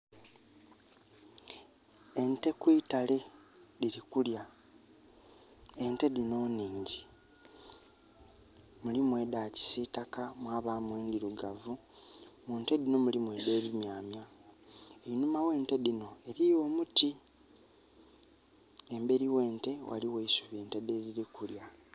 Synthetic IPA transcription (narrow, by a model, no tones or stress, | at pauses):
e̞nte̞kwitale̞diɾikulja | e̞nte̞ðino̞ːniːɲɟi | mulimwe̞daci̥sitakamwaːβaːmweːndiɾuɡavu | muːnte̞dino̞mulimwe̞de̞ːβimjaːmja | einumawe̞ːnte̞dino̞e̞ɾio̞ːmuti | embe̞ɾiwe̞ːnte̞wʔa̰liweisuβje̞ːnte̞deðiɾikulja